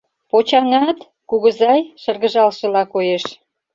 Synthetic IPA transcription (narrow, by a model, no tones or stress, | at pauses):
pot͡ɕɑŋɑt̪ | kuɣəzɑjʃə̆rɣə̆ʒɑlʃə̆lɑkojeʃ